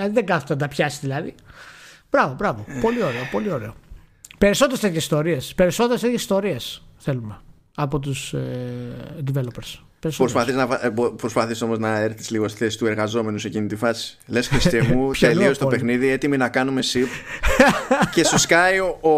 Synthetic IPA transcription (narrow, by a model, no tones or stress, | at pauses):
ɐðiðeŋɡɐθut̪ɐd̪ɐpçɐsi̥zðilɐðḭ | b̥ɾɐvo̞bɾɐvopo̞lio̞ɾeopo̞lio̞ɾe̞o | pe̞ɾisot̪eɾst̪et̪çesi̥st̪o̞ɾiespe̞ɾiso̞t̪eɾest̪et̪ʰʲçesi̥st̪o̞ɾiesθe̞lume̞ | ɐpo̞t̪̬us | nd̪ivelopeɾs | peɾisopɾospɐθiznɐvɐbopɾo̞spɐθiso̞mo̞znɐeɾθti̥zliɣosθesi̥st̪ue̞ɾɣɐzo̞me̞nusecinit̪ifɐsi̥lesxɾist̪emut̪eliost̪ope̞xniðie̞t̪iminɐkɐnume̞sip | ce̞soskaio